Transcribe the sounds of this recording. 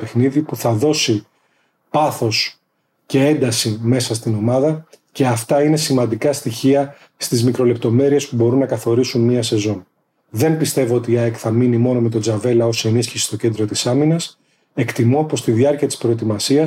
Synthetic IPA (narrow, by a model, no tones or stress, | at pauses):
e̞xniðipuθɐðo̞si | pɐθo̞s | ce̞e̞nd̪ɐsime̞sɐst̪ino̞mɐðɐ | ce̞ɐft̪ɐine̞simɐnd̪ikɐst̪içiɐ | st̪izmikɾo̞le̞p̚t̪o̞me̞ɾie̞spubo̞ɾunːɐkɐθo̞ɾisunmiɐse̞zo̞n | ðe̞mbist̪e̞voo̞t̪iɐekθɐminimo̞no̞me̞t̪o̞d͡zɐve̞lɐo̞se̞nisçisi̥st̪o̞ce̞nd̪ɾo̞t̪isɐminɐs | e̞kt̪imo̞po̞st̪iðiɐɾciɐt̪i̥spɾo̞et̪̬imɐsiɐ